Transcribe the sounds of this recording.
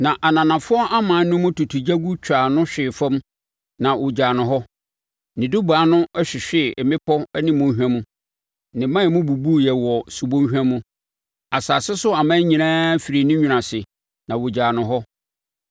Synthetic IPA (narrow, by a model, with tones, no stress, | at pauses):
nã˨ʔa˨nã˨nã˨fʊ˦ɔ˦ʔa˦mã˨˦nʊ̃˦mʊ̃˦tu˨tʰu˨d͡ʑa˦ɡu˦t͡ɕᶣʰaː˨nʊ̃˦ɕᶣɪ˨fã˦m | nã˨wʔʊ˨d͡ʑaː˨nʊ̃˨ɦɔ˦ | nɪ̃˨du˦baː˨˦nʊ̃˦ɛ˦ɕᶣɪ˨ɕᶣɪ˦˨mɪ̃˦pʰɔ˦ɛ˦nɪ̃˦mõ˦ɦᶣã˦mũ˦ | nɪ̃˨˦mã˦ɛ˨mʊ̃˦bu˨bu˦jɛ˨wɔ˨su˨bõ˦ɦᶣã˦mũ˦ | a˨saː˨sɪ˦sʊ˦a˨mãː˦ɲĩ˨nãː˦fi˨ɾi˨nʊ̃˦ɲᶣũ˨nã˨sɪ˨ | nã˨wʊ˨d͡ʑaː˨nʊ̃˨ɦɔ˦